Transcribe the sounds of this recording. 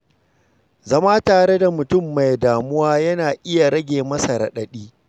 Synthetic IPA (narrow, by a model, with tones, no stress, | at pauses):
zɐ˦maː˦taː˨ɽe˦da˨mʊ˨tʊ˦mːa˨jdaː˨mʊ˦waː˦jɐ˦naː˨ʔɪ˦ja˨ɽɐ˦ɡʲeː˨mɐ˦sa˨ɾɐ̰˨ɗɐ˦ɗiː˦